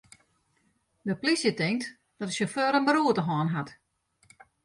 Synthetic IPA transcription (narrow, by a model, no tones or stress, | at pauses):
dəplisjətɪŋt | d̥ɔtəsjoføːɾənbəɾuətəɦɔːnɦat